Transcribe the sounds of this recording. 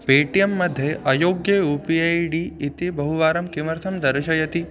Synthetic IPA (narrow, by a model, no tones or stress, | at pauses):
peːʈijɐmːɐd̪ʱjeʔɐjoːɡjɐuːpiɐjɖiːt̪ibɐɦuʋaːɾɐmkimɐɾt̪ʰɐmd̪ɐɾɐʃɐjɐt̪i